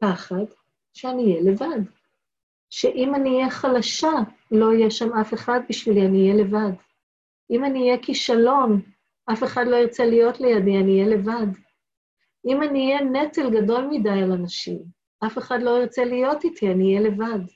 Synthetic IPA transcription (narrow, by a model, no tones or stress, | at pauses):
paχad | ʃeanijelevad | ʃeʔimanijeχalaʃa | lo̞ijeʃamafe̞χad̚biʃvilianiːjele̞vad | ʔimaniːjekiʃalo̞n | ʔafe̞χadlo̞iʁt͡selijo̞tlejadianiːjele̞vad | ʔimaniːjenetelɡado̞lmidajalanaʃḭm | ʔafe̞χadlo̞iʁt͡selijo̞titʰianiːjele̞vad